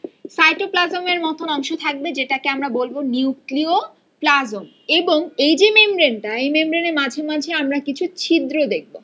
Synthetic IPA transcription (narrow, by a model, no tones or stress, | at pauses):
sajʈoplazomeɾmɔt̪ʰonɔŋʃot̪ʰak̚bed͡ʑeʈakeamɾabolboniuklio | plazom | eboŋejd͡ʑemembɾenʈaejmembɾenemad͡ʑʱemad͡ʑʱeamɾakit͡ɕʰut͡ɕʰid̪ɾod̪ek̚ʰbo